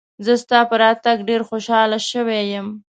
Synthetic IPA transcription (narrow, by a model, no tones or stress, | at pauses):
zəst̪ɑpəɾɑt̪aɡɖeɾxoʃɑlaʃəwejəm